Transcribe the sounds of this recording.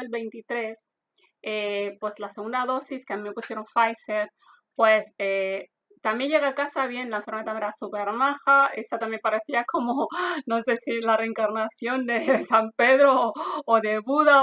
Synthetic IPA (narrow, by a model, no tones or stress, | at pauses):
elβe̞jnt̪it̪ɾe̞s | epwe̞slaseɣũnd̪aðo̞siskeamĩme̞pusje̞ɾoɱfajse̞ɾ | pwe̞se | t̪amje̞nʝeɣaːkasaβje̞nlaeɱfoɾmat̪ameeɾasupe̞ɾmaxae̞sat̪amje̞mpaɾe̞θiakʰo̞mono̞se̞silare̞ːŋkaɾnaθjo̞nd̪e̞sampe̞ðɾoːðe̞βuða